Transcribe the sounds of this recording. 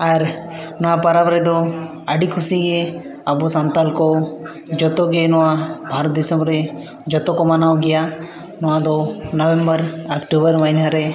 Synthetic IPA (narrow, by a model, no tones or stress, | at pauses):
aɾnɔwapaɾabɾɛd̪ɔ | aɖikʰusiɡe | abɔsant̪alkɔ | d͡ʒɔt̪ɔɡenɔwabʱaɾɔt̪̚d̪isɔmɾe | d͡ʒɔt̪ɔkɔmanawɡija | nɔwad̪ɔnɔbɛmbəɾakʈubəɾmanɦaɾe